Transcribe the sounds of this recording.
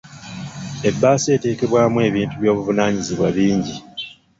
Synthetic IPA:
e̞bːaːse̞ːte̞ːke̞βwaːmwe̞ːβiːntuβjo̞ːβuvunaːɲiziβwaβiːɲɟi

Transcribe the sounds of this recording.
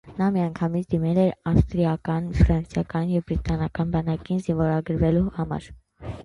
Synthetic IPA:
nɑmiɑŋkʰɑmit͡sʰd̪imɛlɛɾɑfst̪ɾiɑkɑnfɾɑnsjɑkɑnjɛvbɾit̪ɑnɑkɑnbɑnɑkinzinvɔɾɑɡəɾvɛluhɑmɑ̰ɾ

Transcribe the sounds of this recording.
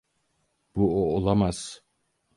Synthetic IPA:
b̥uoːlˠamaz̥

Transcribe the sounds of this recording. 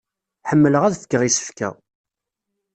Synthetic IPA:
ħəmːələʁæðθə̥kːəʁisə̥fkæ̰

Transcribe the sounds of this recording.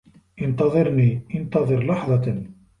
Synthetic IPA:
ənt̪ɑðˤeɾniənt̪ɑðˤəɾlɑħðˤɑt̪ən

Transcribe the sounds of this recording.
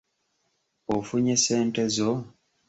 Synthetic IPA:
ofuɲeseːntezo

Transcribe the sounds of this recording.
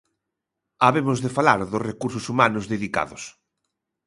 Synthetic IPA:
aβemʊzðefalaɾðʊsrekuɾsʊsumanʊzðeðika̰ðʊs

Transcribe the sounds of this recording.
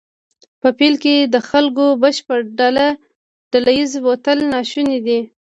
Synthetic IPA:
pəpilked̪əxalkobəʃpəɾɖala | ɖ̥alajizwot̪əlnɑʃuned̪i

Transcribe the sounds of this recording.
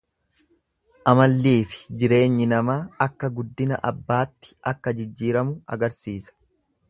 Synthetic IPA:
ʔɐmɐlːiːfɪ̥d͡ʒɪɾe̞ːɲːɪnɐmaːɐkːɐɡʊd̪ːɪnɐ̰ʔɐbːaːt̪ːɪ̥ʔɐkːɐd͡ʒɪd͡ʒːiːɾɐmʊʔɐ̰ɡɐɾsiːsɐ̥

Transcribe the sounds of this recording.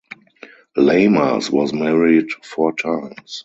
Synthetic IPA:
leɪmə̰˞swɔzmɛɹidfɔtʰãɪ̃ms

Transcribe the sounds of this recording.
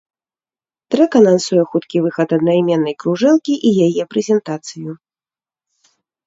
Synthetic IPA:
t̪ɾɛkɐnansujɛxut̪kʲivɨxɐt̪ɐd̪najmʲɛnːɐjkɾuʐɛlˠkʲiʔijajɛpɾɛzʲɛnt̪at̪sɨju

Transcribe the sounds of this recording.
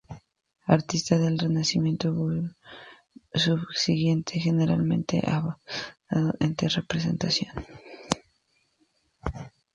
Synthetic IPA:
aɾt̪ist̪aðe̞lre̞nasimje̞nt̪opo | suβsiɣje̞nt̪ʰexe̞ne̞ɾa̰lmẽ̞̰nt̪e̞̰ʔaβasaðoʔent̪ere̞pɾes̬e̞̰nt̪asjo̞n

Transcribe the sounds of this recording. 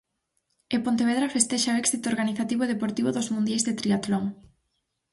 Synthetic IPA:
epont̪eβeðɾafest̪ɛʃaoɛksit̪oɾɣaniθat̪iβoeðepoɾt̪iβoðozmũnd̪jajzðet̪ɾiat̪loŋ

